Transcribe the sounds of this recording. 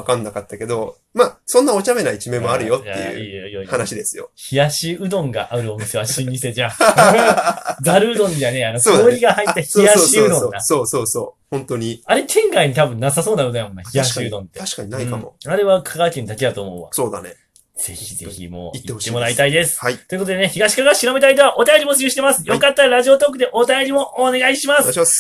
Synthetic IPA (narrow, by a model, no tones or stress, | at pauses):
akãnːakat̪ːake̞d̪o̞ | maːsõ̞nːaot͡ɕame̞nait͡ɕimẽ̞mːoaɾɯ̟jo̞tjaḛjɯ̰iːjjoijoihanaɕid̪e̞sɨjo̰çijaɕiɯ̟d̪õ̞ŋɡaʔaɯɾɯ̟o̞mɯ̟seβaɕĩɲːist̪ed͡ʑa | ɡ̪aɾɯɯd̪õ̞nd̪eane̞ano̞koːoːɾʲiɡahaitt̪ːaçijaɕiɯd̪õod̪asoːsoːsoːhõnt̪oɲ̟iaɾe̞t̪ʰẽ̞ŋɡaiɲ̟it̪abɯ̟̃nːasaso̞ːnaɯnajamõ̞nːaçiɡaɕːd̪õ̞nt̪ːe̞aɕkaɲinaiamoaɾe̞βakʰakakʲẽɲd̪akʲed̪at̪o̞ːmo̞̰ɯ̰βa̰soːd̪a̰nḛ | d͡z̥e̞̰çizḛçḭmo̞̰ːitiet̪ːe̞mo̞ɾait̪aid̪e̞sɨ̥ait̪o̞ɯkot̪od̪e̞neçiɡaɕi̥kaɡaɕiɾome̞t̪aid̪̬eβaʔo̞t̪ajo̞ɾʲimot͡sɨjɯːɕi̥t̪e̞masɨ̥jo̞kat̪ːaɾaʑio̞t̪o̞ːk̬ːɯ̟d̪e̞ʔo̞t̪ajo̞ɾʲimo̞ʔːne̞ɡaiɕimas